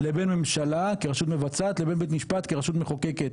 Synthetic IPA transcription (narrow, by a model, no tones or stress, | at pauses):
lebenme̞mʃalakeʁaʃut̪me̞vat͡sat̪lebe̞nbet̪miʃpat̪keʁaʃut̪meχokeket̪̚